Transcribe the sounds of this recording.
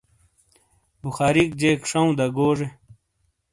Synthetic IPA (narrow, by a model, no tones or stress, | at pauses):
buxaːɾik̚d͡ʑeːkʂɐũd̪ɐɡoːʐe